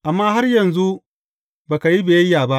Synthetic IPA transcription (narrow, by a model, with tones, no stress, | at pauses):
ʔa˨mːaː˦ɦa˦rjɐ˨nzu˦ | baː˨ka˨ji˦beː˨jɐ˦jːaː˨ba˦ʔ